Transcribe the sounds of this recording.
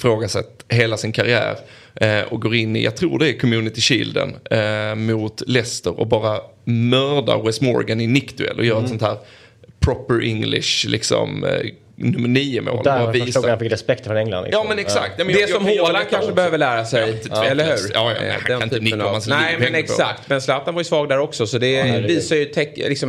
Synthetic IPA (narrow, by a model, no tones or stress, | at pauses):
fɾoːɡasɛ̰t̪ːɦeːlasɪnkʰaɾɪæ̰ːɾ | ɔɡoːɾɪnːɪ̰jʔa̰ɡ̚t̪ʰɾṵːɖɛæɾkʰɔmjʉːnɪt̪ɪɕḭːld̪ə̰nmʊt̪lɛst̪əɾɔ̰bɑːɾamœːɾda̰ɾwɛsmɔɾ̰ɡanɪnɪkt̪ʉɛ̰lʔɔjœːɾaɛsɔnt̪ʰhæːɾ | pʰɾɔpːəɾʔɪŋlɪ̰ʂlɪksɔ̰m | nɵmːəɳiːəʊmʔo̰ːlɑːaviːsoːhafɪkɾɛspɛkt̪fɔɾɛŋla̰nɪ̰jɑːmɛnɛksa̰kt̪jmɛd̪ɛsɔmhoakʰanʂəbɛøːvəlæːɾasɛjt̪ːɛlːəɾhʉ̟ːɾɑːjɑ̰n̰hak̪anɪnənɪmansnɛmɛnɛksakt̪mɛnslaːt̪anvaɾjʏsvɑːɡd̪æɾɔksɔsɔd̪ɛviːsajɵt̪ʰɛkːlɪksɔm